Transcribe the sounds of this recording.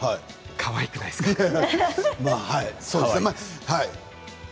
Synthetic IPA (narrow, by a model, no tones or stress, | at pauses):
hai | kʰaβaikɯ̟na̰jska | maːhaisoːdesnemahai